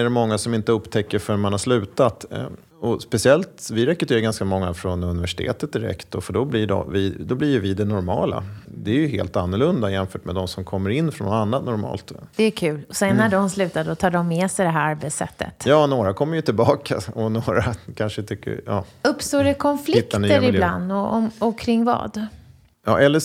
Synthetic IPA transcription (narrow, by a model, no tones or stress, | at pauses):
ɛɖɛmɔŋːasɔmɪnt̪əɵpːt̪ʰɛkːəɾfœɾmanhaʂlʉ̟ːt̪at̪ | ɔspɛsɪɛlt̪vɪɾɛkɾɵt̪ʰeːɾaɡanskamɔŋːafɾɔnɵnɪvæʂɪ̥t̪ʰḛːt̪ət̪̚d̪ɪɾɛ̰kt̪dɔfœɖɔblɪɖɔ̰vɪd̪ɔblɪɾjɵvɪd̪ɛnɔɾmɑ̰ːla̰d̪ɛæɾjɵɦḛːlt̪anːʊɭɵnd̪ajɛnfœːʈmɛd̪ɔmsɔmkʰɔmːəɾɪnːfɾɔnːɔanːat̪nɔɾmɑ̰ːlt̪d̪̥ɛækʰʉ̟ːlɔsɛnːæɖɔmslʉ̟ːt̪ad̪əɔt̪ʰɑːɖɔmːeːsɛjd̪ɛɦæɾaɾbɛt̪sɛ̰t̪ʰːə̰t̪jɑːnoːɾakʰɔmːəjət̪ʰɪlbɑːkʰa̰ɔnoːɾakʰanʂət̪ʰʏkːə̰jɑːɵpːst̪oːɾɛkʰɔnflɪɪkt̪ːaəɾɪland̪ɔɔɔkʰɾɪŋːvɑ̰ːd̪ | jɑ̰ːʔɛlːə